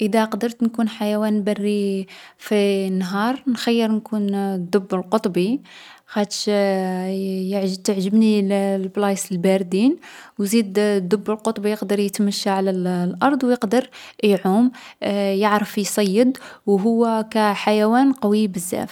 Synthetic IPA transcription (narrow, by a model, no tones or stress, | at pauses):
ʔəd̪æqd̪əɾˤt̪nkunħajæwænbærːifinːɦɑɾˤnxæjːəɾˤnkund̪ːʊbːəlqot̪ˤbixæt̪ʃ | jəʕt̪əʕʒəbnilblɑjsəlbæɾd̪inwzid̪d̪ːʊbːəlqot̪ˤbijəqd̪əɾˤjət̪məʃːaʕlællʔɑɾˤd̪ˤwjəqd̪əɾjʕumjəʕɾəfjsˤɑjːəd̪wɦʊwːækæħajæwænqɑwibəzːæ̰f